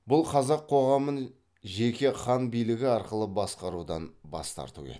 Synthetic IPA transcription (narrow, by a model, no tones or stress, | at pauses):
bʊlˠqʰɑzɑqʰːo̞ʁɑmən | ʒe̞kʲe̞χɑnbijlɪɡʲɪɑɾqəlˠəbɑsqɑɾud̪ɑnbɑ̰st̪ɑ̰ɾt̪ṵḛ